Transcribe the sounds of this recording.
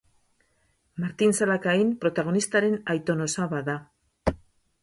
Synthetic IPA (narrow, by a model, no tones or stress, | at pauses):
maɾt̪insalakaimpɾo̞t̪aɣ̞o̞nist̪aɾe̞najt̪o̞no̞saβaða